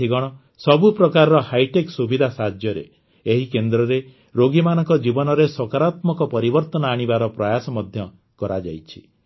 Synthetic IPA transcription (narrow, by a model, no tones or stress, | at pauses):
iɡɔɽ̃ɔ | sɔbupɾɔkaɾɔɾɔhajʈeksubid̪ʱasad͡ʒjɔɾḛ | eɦikend̪ɾɔɾe | ɾoɡimanɔŋkɔd͡ʒibɔnɔɾesɔkaɾat̪mɔkɔpɔɾibɔɾt̪ɔnɔaɽ̃ibaɾɔpɾajasɔmɔd̪ʱjɔ | kɔɾad͡ʒa̰jt͡ʃʰi̥